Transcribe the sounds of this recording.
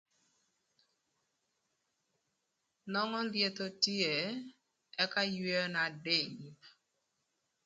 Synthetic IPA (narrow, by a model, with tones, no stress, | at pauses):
nɔ˦ŋɔ˦lje˨t̪o˦ti˦e˨ | ɛ˦ka˦jwe˦na˨de˦˨ɲ˨